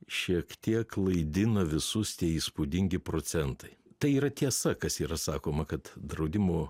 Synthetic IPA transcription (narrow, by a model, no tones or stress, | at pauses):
ʃʲiɛkt̪ʲiɛklˠɐɪd̪ʲɪnɐʋʲɪsʊst̪ʲiɛiːspuːd̪ʲɪŋʲɡʲɪpɾoːsʲɛnt̪ɐɪt̪ɐɪiːɾɐt̪ʲiɛsɐkɐsiːɾɐsɑːkoːmɐkɐt̪d̪ɾɐʊd̪ʲɪmoː